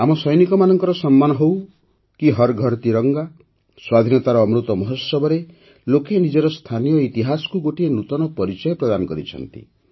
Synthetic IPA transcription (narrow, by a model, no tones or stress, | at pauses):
amɔsɔjnikɔmanɔŋkɔɾɔsɔmːanɔɦow | kiɦɔɾɡʱɔɾt̪iɾɔŋɡa | swad̪ʱinɔt̪aɾɔːmɾut̪ɔmɔɦɔsɔbɔɾe | lokenid͡ʒɔɾɔst̪ʰanijɔit̪iɦasɔ̥kuɡoʈienut̪ɔnɔpɔɾit͡ʃɔjɔpɾɔd̪anɔkɔɾit͡ʃʰɔ̰nt̪ḭ